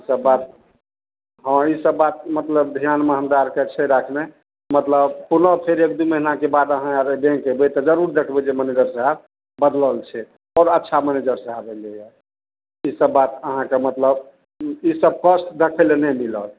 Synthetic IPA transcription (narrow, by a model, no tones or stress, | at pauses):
isəbːat̪̚ | ɦə̃isəbːat̪̚mət̪ləb̚d̪ʱijanməɦənd̪aɾket͡ʃʰɛɾakʰne | mət̪ləbpunəpʰeɾek̚d̪uməɦinakebad̪əɦãɾbẽŋkebet̪ɔd͡ʒəɾuɾd̪ekʰbed͡ʒeməned͡ʒəɾsəɦa | bəd̪ləlt͡ʃʰɛ | ɔːɾətːʃʰaməned͡ʒəɾsəɦabeleja | isəbːat̪əɦãkemət̪ləb | isəb̚kəsʈd̪ekʰəlenɛmilə̰l